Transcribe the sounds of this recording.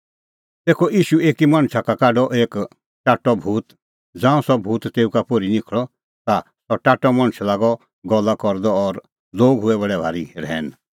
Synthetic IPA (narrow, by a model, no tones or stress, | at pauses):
t̪eːkʰɔʔiːʃueːkimãɳ̃t͡ʃʰakakaːɖɔʔeːk | ʈaːʈːɔbʱuːt̪ | d͡zãːũsɔbʱuːt̪t̪eːũkapoɾinɪkʰɭɔ | t̪asɔʈaːʈːɔmãɽ̃t͡ʃʰlaːɡɔ | ɡɔlakɔɾd̪ɔɔɾ | loːɡɦʊɛβɐɽɛbʱaːɾiɾɛːn